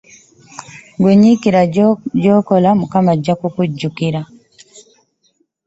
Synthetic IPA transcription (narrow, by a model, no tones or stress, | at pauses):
ɡweɲikiɾaɟoːkolamukamaɟakukuɟːukiɾa